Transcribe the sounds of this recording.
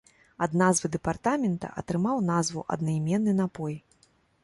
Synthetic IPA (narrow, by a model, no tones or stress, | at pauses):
ɐd̪nazvɨd̪ɛpart̪amʲɛnt̪ɐ̰ʔɐ̰t̪ɾɨmawnazvuʔɐ̰d̪̚najmʲɛnːɨnapɔj